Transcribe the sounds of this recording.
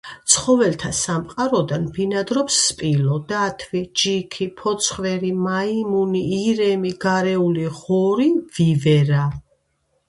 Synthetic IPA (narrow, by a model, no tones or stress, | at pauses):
t̪sʰχɔvɛlt̪ʰasamqʼaɾɔd̪anbinad̪ɾɔpsːpʼilɔd̪̥at̪ʰvid͡ʒikʰipʰɔt̪sʰχvɛɾimaimuniːɾɛmiɡaɾɛuliʁɔɾiv̥ivɛɾa